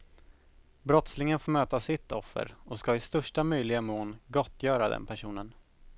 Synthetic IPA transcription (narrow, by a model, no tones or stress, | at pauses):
bɾɔt̪slɪŋənfoːmøːt̪asɪt̪ːɔfːə̰ɾɔskaɪst̪œʂʈamœjlɪɡamoːnɡɔt̪ːjœːɾad̪ɛ̰npʰæʂuːnən